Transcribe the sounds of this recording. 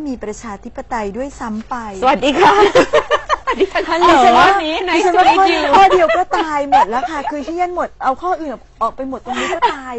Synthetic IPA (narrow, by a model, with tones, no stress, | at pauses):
miː˧pɾa˧t͡ɕʰaː˧t̪ʰi˦˥pːa˧t̪a˧jdu˥˩əjsa˦˥mpa˧jwa˨˩t̪̚diː˧kʰa˦˥˧ | a˥˩˧t͡ɕʰa˦nwɔ˥˩˥iː˦˧˩t͡ɕʰa˦˥waː˥˧˥kʰɔː˥˩i˧kʰɔː˥˩di˧əwkɔː˥˩t̪aː˩˧jmo˨˩t̪̚lɛ˦˥wkʰa˥˩kʰɯː˧t̪ʰiː˥˩ɲa˦˥˩nmo˨˩t̪̚ʔa˧wkʰɔː˥˩ʔɯː˨˩na˨˩ʔɔː˨˩k̚pa˧jmo˨˩t̪̚ːo˧ŋniː˦˥kɔː˥˩t̪aː˧j